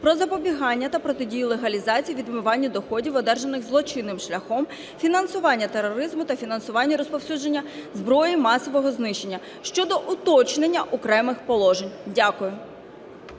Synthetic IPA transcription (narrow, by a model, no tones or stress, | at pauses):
pɾɔzɐpɔbʲiɦɑnʲːɐt̪ɐpɾɔt̪ɪdʲijʊlˠeɦɐlʲizɑt͡sʲijiʋʲid̪mɪʋɑnʲːɐd̪ɔxɔdʲiwɔd̪ɛrʒɐnɪɣzlˠɔt͡ʃɪnːɪmʃlʲɐxɔm | fʲinɐnsʊʋɑnʲːɐt̪eɾːɔɔɾɪzmʊt̪ɐfʲinɐnsʊʋɑnʲːɐɾɔspɔwsʲud͡ʒenʲːɐzbɾɔjimɑsɔʋɔɦɔznɪʃt͡ʃːe̞nʲːɐ | ʃt͡ʃɔd̪ɔʔʊt̪ɔt͡ʃnenʲːɐʔɔkɾɛmɪxpɔlˠɔʒenʲdʲakʊjʊ